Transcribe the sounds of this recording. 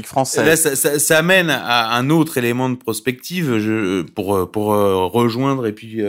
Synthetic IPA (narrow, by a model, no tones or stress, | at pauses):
ikfχɑ̃sɛlasasasaːmɛnaɛ̃not̪χelemɑ̃d̪əpχɔspɛk̚t̪ʰivʒəpuʁøpuʁøʁəʒwɛ̃d̪ʁepɥiø